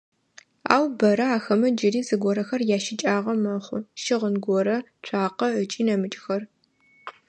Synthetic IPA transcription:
a̰ːwbɐɾɐaːxɐmɐd͡ʒɪɾiːzɨɡʷɔɾɐxɐrjaːʃɪt͡ʃʼaːʁɐmɐχʷʊʃɪʁənɡʷɔɾɐt͡ʃʷʰaːqɐʕət͡ʃʼiːnɐmɨt͡ʃʼxɐr

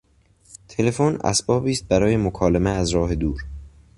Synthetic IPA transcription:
t̪ʰe̞le̞fonæ̰sbɒːbiːst̪̚bæɾɒːje̞mokʰɒːlemeæzɾɒːɦe̞d̪uːɾ

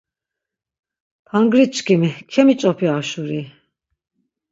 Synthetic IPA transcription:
pʰaŋɡɾit͡ʃkʰimikʰɛmit͡ʃʼɔpʰiaʃuɾi

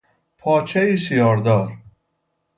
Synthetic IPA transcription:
pʰɒːt͡ʃʰɛiʃijɒːɾd̪ɒːɾ

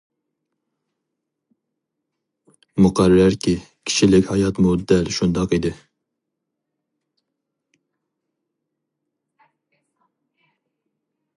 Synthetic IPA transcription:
muqʰæɾːæɾkʲʰikʲʰi̥ʃilɪkʲhɑjɑt̪mud̪ːɛlʃund̪ɑqid̪ɪ

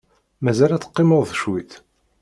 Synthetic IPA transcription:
mæzælæt͡sːə̥qːɪmʊðˤðəʃwiθ

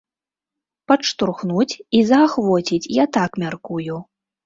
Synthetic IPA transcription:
pɐʂt̪urxnut͡sʲizɐːxvɔt͡sʲit͡sʲjat̪akmʲarkuju

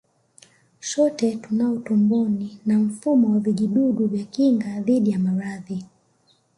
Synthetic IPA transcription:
ʃɔtɛtunaɔtɔmbɔninam̩fumɔwaviʄiɗuɡuvjakiŋɡaðiɗijamaɾaði

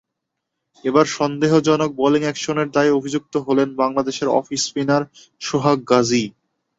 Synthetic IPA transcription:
ebaɾʃɔnd̪eɦod͡ʑɔnok̚bɔliŋɛkʃoneɾd̪ajobʱid͡ʑuk̚t̪oɦolenbaŋlad̪eʃeɾɔ̰fispinaɾ | ʃoɦak̚ɡad͡ʑi

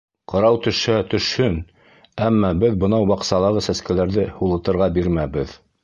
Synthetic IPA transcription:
qɑ̆ɾɑwt̪ɵ̆ʃhæt̪ɵ̆ʃhɵn | æmːɑbɘðbɤ̆nɑwbɑqsɑlˠɑʁɤsæskælæɾðɘhulˠɤ̆t̪ɤ̆ɾʁɑbiɾmæbɘð

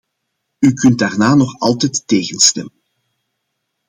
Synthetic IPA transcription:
ykɵnt̚daːrnaːnɔxɑlˠtɛjtːeːɣənstɛmən

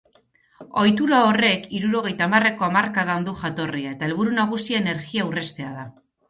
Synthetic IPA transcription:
o̞jt̪uɾao̞re̞kiɾuɾo̞ɣ̞e̞jt̪amare̞ko̞amarkaðand̪uʝat̪o̞riae̞t̪ae̞lβuɾunaɣ̞usiaene̞ɾɣiawre̞st̪e̞aða

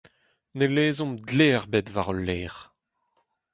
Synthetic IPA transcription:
neleːzɔ̃mdleːʁbetvaʁɔlːeːʁ

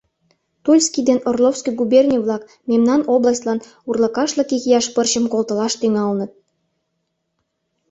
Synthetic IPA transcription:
t̪ulʲskʲid̪enorlˠofskijɡubernʲiβlˠɑk | memnɑnoblˠɑsʲt̪ʲlɑn | urlɤ̆kɑʃlɤ̆kiɣijɑʃpərɕə̆mkolˠt̪ə̆lɑʃt̪yŋɑlnə̆t̪̚

